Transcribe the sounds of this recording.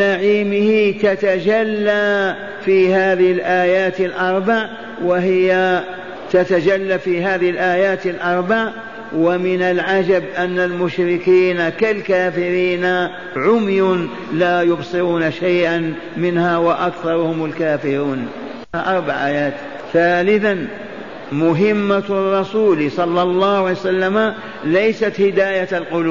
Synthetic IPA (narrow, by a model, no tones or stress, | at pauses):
naʕiːmɪhɪt̪at̪ad͡ʒalːa | fiːhaːðɪhɪlʔaːjaːt̪alʔɑɾˤbaʕ | waɦɪja | t̪at̪ad͡ʒalːafiɦaːðɪhɪlʔaːjaːt̪alʔɑɾˤbaʕ | wamɪnalʕad͡ʒabʔanːalmʊʃɾɪkiːnakalkaːfɪɾiːna | ʕʊmjʊn | laːjʊbsˤɨɾuːnaʃajʔan | mɪnhaːwaʔakθɑɾˤʊhʊmalkaːfɪɾuːn | haʔɑɾˤbaʕʔaːjaːt̪ | θaːlɪθan | mʊɦɪmːarˤːɑsuːlsˤɑlːɑlˤːɑːhʕajsalːama | lajsat̪hɪd̪aːjalqʊluː